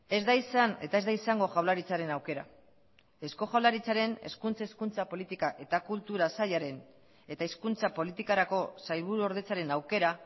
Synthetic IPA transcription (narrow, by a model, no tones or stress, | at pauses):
e̞zd̪aisane̞̰t̪aezd̪aisaŋɡo̞ʝawlaɾit͡saɾe̞nawke̞ɾa̰ | e̞sko̞xawlaɾit͡saɾe̞ne̞̰skunt͡saiskunt͡sapo̞lit̪ikaʔe̞t̪akult̪uɾasaʎaɾe̞n | e̞t̪aiskunt͡sapo̞lit̪ikaɾako̞sajlβ̞uɾuo̞ɾðe̞t͡saɾe̞nawke̞ɾa